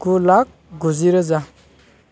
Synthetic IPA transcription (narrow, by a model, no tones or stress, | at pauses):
kulak̚ɡuziɾəza